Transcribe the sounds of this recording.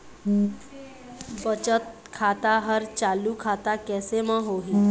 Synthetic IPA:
bət͡ʃət̪̚ | kʰaːt̪aɦəɾt͡ʃaːlukʰat̪akɛːsemə̃ɦoːɦiː

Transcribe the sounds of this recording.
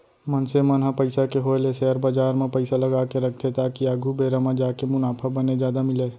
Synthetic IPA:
mɐnsemɐnɦapɐɪsakeɦoːlesɛːəɾbaːd͡ʒaːɾmẽpɐɪsalɐɡaːkeɾɐk̚ʰt̪ʰet̪aːkiaːɡʱubeːɾamãd͡ʒaːkemʊnaːpʰabəned͡ʒjaːd̪amɪleː

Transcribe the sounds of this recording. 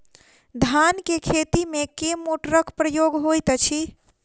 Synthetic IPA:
d̪ʱankekʰet̪imekemoʈɾəkpɾəjoɡɦojt̪t͡ʃʰi

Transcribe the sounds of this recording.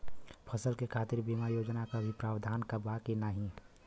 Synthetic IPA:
pʰəsəlkekʰaːt̪ɪɾbimajoːd͡ʒnakabʱipɾaːbd̪ʱaːnkəbakenaːɦĩ

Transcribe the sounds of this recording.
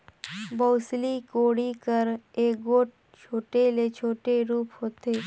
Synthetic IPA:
bəːslikoːɽikəɾeːk̚ɡoːʈ̚ | t͡ʃʰoːʈelet͡ʃʰoːʈeɾuːpɦoːt̪eː

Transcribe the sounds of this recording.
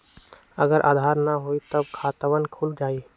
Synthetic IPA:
ə̰ɡəɾʔa̰ːd̪ʱaɾnaɦoit̪əbkʰaːt̪əʋənkʰuld͡ʒaːi

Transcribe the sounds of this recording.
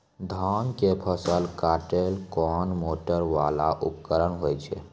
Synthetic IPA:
d̪ʱankepʰəsəlkaːʈelkɔnmoʈəɾʋala̰ʔupkəɾənɦojt͡ʃʰɛ̰

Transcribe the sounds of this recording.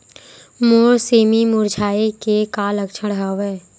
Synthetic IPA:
moːɾseːmimʊɾd͡ʒʱaːekekaːləkʃʰəɽɦəʋɛː

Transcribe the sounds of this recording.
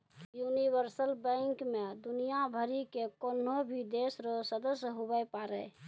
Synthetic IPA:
juniʋəɾsəlbɛ̃ŋkmed̪unijabʱəɾikekonobʱid̪esɾosəd̪əsɦubəpaɾɛ

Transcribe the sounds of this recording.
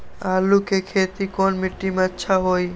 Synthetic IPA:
alukekʰet̪ikonmiʈːimatːʃʰaɦoj

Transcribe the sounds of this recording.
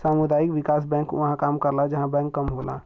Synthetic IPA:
samud̪aikʋikas̬bɛ̃ŋkʋəɦãkamkəɾlad͡ʒəɦãbɛ̃ŋkːəmɦola̰

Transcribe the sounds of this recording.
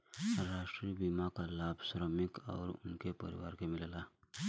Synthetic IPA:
ɾaːʃʈɾibimakalaːbʱsɾəmɪkɔ̰ːɾʊ̰nkepə̰ɾɪ̰wa̰ːɾkemɪlla

